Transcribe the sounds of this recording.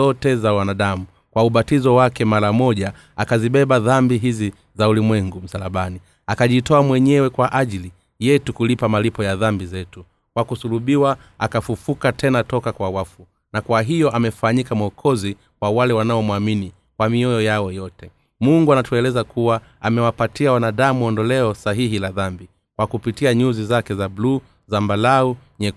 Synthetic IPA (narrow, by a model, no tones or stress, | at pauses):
ɔtɛzawanaɗamu | kwauɓatizɔwakɛmaɾamɔʄa | akaziɓɛɓaðambiɦizi | zaulimwɛŋɡum̩salaɓani | akaʄitɔamwɛɲɛwɛkwaʔaʄili | jɛtukulipamalipɔjaðambizɛtu | kwakusuluɓiwa | akafufukatʰɛnatɔkakwawafu | nakwaɦijɔʔamɛfaɲikamuɔkʰɔzi | wawalɛwanaɔmuamini | kwamiɔjɔjaɔjɔtɛ | muŋɡuanatuɛlɛzakʰuwa | amɛwapatiawanaɗamuɔndɔlɛɔsaɦihilaðambi | kwakupitiaɲuzizakɛzablu | zambalauɲɛ